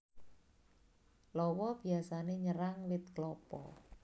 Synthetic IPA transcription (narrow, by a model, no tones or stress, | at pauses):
lɔwɔb̥i̤asaneɲəɾaŋwɪt̪̚klɔpɔ̰